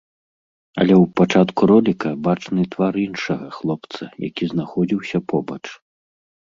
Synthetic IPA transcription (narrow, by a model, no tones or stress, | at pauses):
ɐ̰lʲɛwpat͡ʂat̪kuɾɔlʲikɐbat͡ʂnɨt̪vaɾinʂɐɣɐxlˠɔpt̪sɐ̰ja̰kʲiznaxɔd͡zʲiwsʲɐpɔbɐt͡ʂ